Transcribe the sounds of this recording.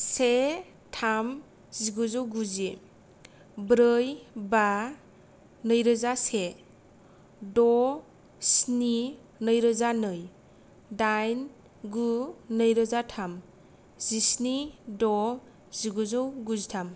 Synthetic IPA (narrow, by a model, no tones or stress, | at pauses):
se | tʰam | ziɡɔzɔwɡuze | bɾɯjba | nəjɾəzase | dɔ | sni | nəjɾəzanɯj | dajn | ɡunəjɾəzatʰam | z̥isnidɔ | ziɡɔzɔwɡuzitʰam